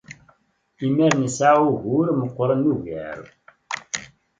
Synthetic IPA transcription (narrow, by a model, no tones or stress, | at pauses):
imæɾnəsʕauʝuɾməqʷːɾˤənːuʝə̰ɾ